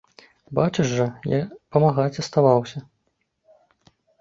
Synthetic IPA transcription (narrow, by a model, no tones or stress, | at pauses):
bat͡ʂɨʐːɐjapɐmaɣat͡sʲɐst̪avawsʲɐ